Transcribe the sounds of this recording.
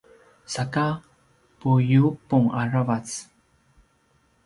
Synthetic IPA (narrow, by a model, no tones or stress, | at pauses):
saka | pujupuŋaravat͡s